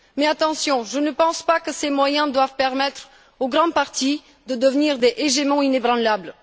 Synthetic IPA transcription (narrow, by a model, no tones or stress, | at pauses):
mɛat̪ɑ̃sjɔ̃ʒənəpɑ̃spakəsemwajɛ̃d̪wavpɛʁmɛt̪χ | oɡʁɑ̃d̪̚paʁt̪i | d̪əd̪əvniʁd̪eʔeʒemɑ̃inebʁɑ̃labl